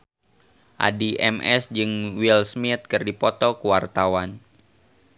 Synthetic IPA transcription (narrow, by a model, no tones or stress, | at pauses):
ʔa̰diʔɛmʔɛsd͡ʒɨŋwilsmit̪̚kɨrdipɔt̪ɔkuwart̪awan